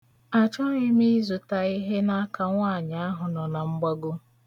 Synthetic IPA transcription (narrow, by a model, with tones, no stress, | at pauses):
a˨t͡ʃɔ˦ɪ˦mi˦zʊ˨ta˨i˦ɦe˦na˦ka˨ŋʷa˦˨ɲa˨a˦ɦʊ˨nɔ˨na˨ŋ͡m̩˦ɡ͡ba˦ɡʊ˦